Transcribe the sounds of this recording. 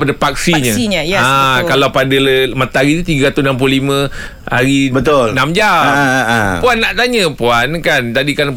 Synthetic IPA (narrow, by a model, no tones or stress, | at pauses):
padapak̚siɲə̃ɲəjakalawpadalmat̪aaɾit̪ut̪iɡaɾat̪usnamp̬ullimə̃ | ha̰ɾibət̪olnamd͡ʒampuanːaʔt̪aɲə̃puankant̪adikan